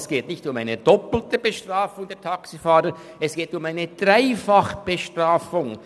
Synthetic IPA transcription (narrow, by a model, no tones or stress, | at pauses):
sɡ̥eːtnɪçtʊmaɪnəd̥ɔpl̩təb̥əʃtr̥aːfʊŋdɛːɐtʰɑksifaːɾə | ɛsɡ̥eːtʊmaɪnəd̥raɪfɑχb̥əʃtraːfʊŋ